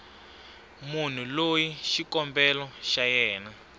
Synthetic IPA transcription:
mun̤ulojiʃikɔmbɛlɔʃajɛːna

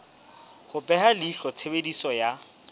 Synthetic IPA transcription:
hʊpʼɛhalɪɬɔt͡sʰebedisɔja

